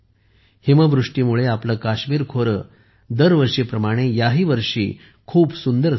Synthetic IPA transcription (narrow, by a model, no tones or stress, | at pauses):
himəʋɾuʂʈiːmuɭeapləːkaɕmiːɾkʰoɾə | d̪əɾʋəɾʂiːpɾəmaɽ̃ejaɦiːʋəɾʂḭː | kʰuːpsund̪əɾ